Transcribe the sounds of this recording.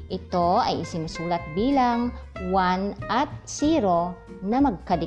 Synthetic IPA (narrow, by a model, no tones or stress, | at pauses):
ʔɪt̪o̞ɐ̰jɪsɪnɪsuːlɐt̪̚biːlaŋwanʔɐt̪̚siːɾo̞ | nɐmɐɡ̚kɐd̪ɪ